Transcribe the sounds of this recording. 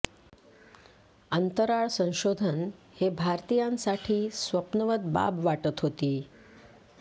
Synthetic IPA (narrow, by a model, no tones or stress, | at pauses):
ənt̪əɾaɭsə̃w̃ɕod̪ʱən | hebʱaɾt̪ijãnsaʈʰiːsʋəpnəʋət̪̚ba̰bʋaʈət̪ɦot̪iː